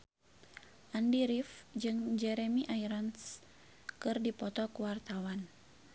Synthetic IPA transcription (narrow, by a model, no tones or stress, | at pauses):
ʔandiɾifd͡ʒɨŋd͡ʒɛɾɛmiʔaiɾans | kɨrdipɔt̪ɔkuwart̪awan